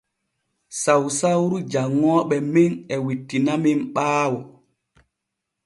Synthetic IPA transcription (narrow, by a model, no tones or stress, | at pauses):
sawsawɾud͡ʒaŋːɔːɓɛminɛwitːinamimɓaːwɔ